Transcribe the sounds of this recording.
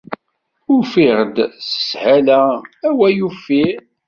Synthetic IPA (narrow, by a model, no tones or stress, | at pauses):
ʊfiʁəd̪sə̥shælææwæjufi